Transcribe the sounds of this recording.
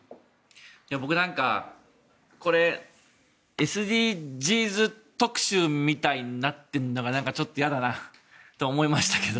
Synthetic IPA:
jabo̞kɯ̟nãŋka̰ | ko̞ɾe̞ | esɨd̪ʲiːd͡ʑiːzɨt̪o̞kɯ̟̥ɕɨːmʲit̪ainat̪ːeɯnːo̞ɡanãŋkat͡ɕo̞t̪ːojad̪anat̪o̞ːmo̞imaɕi̥t̪ḁke̞d̪o̞

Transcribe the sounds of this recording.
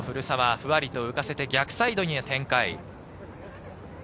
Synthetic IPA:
ɸɯ̟ɾɯ̟samaɸɯ̟βaɾʲit̪o̞ɯ̟kase̞t̪e̞ɡʲakɯ̟̥said̪o̞ɲ̟iat̪ẽ̞ŋkaḭ

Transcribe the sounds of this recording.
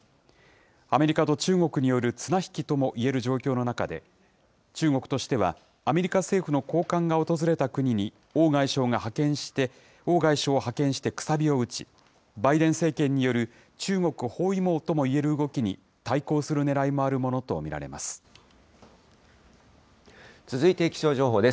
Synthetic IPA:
ame̞ɾʲikat̪o̞t͡ɕɨːŋo̞kɯ̟ɲ̟ijo̞ɾɯ̟t͡sɨnaçi̥kʲit̪o̞mo̞ʔie̞ɾɯ̟ʑo̞ːkʲo̞ːno̞nakad̪e̞̰ | t͡ɕɨːŋo̞kɯ̟̥t̪o̞ɕi̥t̪e̞βa̰ː | me̞ɾʲikase̞ːɸɯno̞ko̞ːkãŋɡao̞t̪o̞zɨɾe̞t̪akɯ̟ɲ̟iɲ̟i | o̞ːɡaiɕo̞ːŋahakẽ̞ɰ̃ɕi̥t̪e̞ | o̞ːɡaiɕo̞ːhakẽ̞ɰ̃ɕi̥t̪e̞kɯ̟̥sabʲio̞ɯ̟t͡ɕi̥̰ | baid̪ẽ̞ɰ̃se̞ːkẽ̞ɲ̟ːijo̞ɾɯ̟ | t͡ɕɨːŋo̞kɯ̟ho̞ːimo̞ːt̪o̞mo̞ie̞ɾɯ̟ɯɡo̞kʲiɲ̟ḭ | t̪aiko̞ːsɨɾɯ̟ne̞ɾaimo̞aɾɯ̟mo̞no̞t̪o̞̰mʲiɾa̰ɾe̞̰ma̰sɨ̥ | t͡sɨzɨit̪e̞kʲi̥ɕo̞ːʑo̞ːɦo̞ːd̪e̞s

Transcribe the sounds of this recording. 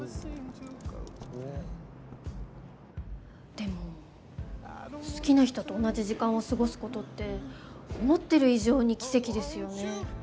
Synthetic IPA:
d̪̥e̞mo̞ | sɨ̥kʲinaçi̥t̪o̞t̪o̞ːnad͡ʑiʑikãɰ̃o̞sɨɡo̞sɨ̥ko̞t̪o̞t̪ːe̞omo̞t̪ːe̞ɾɯ̟iʑo̞ːɲ̟ikʲi̥se̞kʲid̪e̞sɨjo̞ne̞

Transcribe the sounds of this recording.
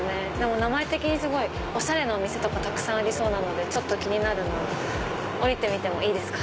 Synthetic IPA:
ned̪e̞mo̞namae̞t̪e̞kʲiɲ̟isɨɡo̞i | o̞ɕaɾe̞noːmʲise̞t̪o̞kat̪akɯ̟̥sãɰ̃aɾʲiso̞ːnano̞d̪e̞t͡ɕo̞t̪ːo̞kʲiɲ̟inaɾɯ̟no | oɾʲit̪e̞mʲit̪e̞mo̞iːd̪e̞sɨ̥kḁ

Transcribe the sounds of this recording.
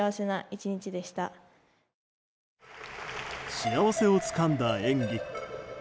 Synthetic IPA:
aβase̞naʔit͡ɕiɲ̟it͡ɕid̪e̞ɕi̥t̪a | ɕiaβase̞o̞t͡sɨ̥kãnd̪aẽŋɡʲek

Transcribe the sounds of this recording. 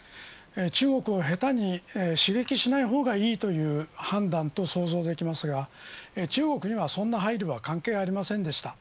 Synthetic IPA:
et͡ɕɨːɡo̞kɯ̟o̞ɦe̞t̪aɲ̟ieɕiɡe̞kʲiɕinaiɦo̞ːɡaiːt̪o̞jɯ̟ːhãnd̪ãnt̪o̞so̞ːzo̞ːd̪e̞kʲimasɨɡat͡ɕɨːɡo̞kɯ̟ɲ̟iβ̞asõ̞nːaɦaiɾɯβakãŋke̞ːaɾʲimasẽ̞nd̪e̞ɕi̥t̪a

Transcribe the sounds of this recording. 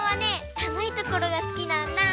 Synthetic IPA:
βanesamɯ̟it̪o̞ko̞ɾo̞ɡasɨ̥kʲinãnːa

